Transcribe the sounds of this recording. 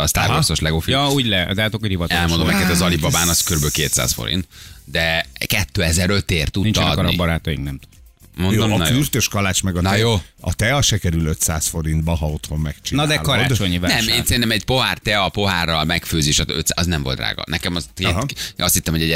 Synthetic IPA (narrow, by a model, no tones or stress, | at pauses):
ɒst̪a̰ːɾɡɔsoʃlɛɡofijɒuːɟlɛ̰zaːt̪okːo̥hivɒt̪oɛlmond̪omɛkɛt̪ɛzɒlibɒbaːnɒskøɾybølkeːt̪sa̰ːsfo̰ɾḭnt̪d̪ɛkɛt̪ːøːɛzɛɾøt̪eːrt̪ut̪int͡ʃ̪ːɛnd̪kɔɾɔbɒɾaːt̪ɒjḭŋknɛmt̪ud̪ | monjoomːkyrt̪øʃkɒlaːt͡ʃmɛɡɒnjoːɒt̪ɛɒʃɛkɛɾyløt̪saːsfo̞ɾint̪̚bɒɦɒo̞t̪ho̞mːɛkt͡ʃinɒd̪d̪ɛːlkɒɾaːd̪t͡ʃoɲivanɛmeeːnsɛɾint̪ɛmɛɟpo̞ɦart̪ɛɒpo̞ɦaːrːɒlmɛkføːzeːʃøt̪sɒznɛɱvo̞lt̪ra̰ːɡɒ̰nɛkɛmɒzeːɦɒst̪hit̪ːɛmhoɟɛ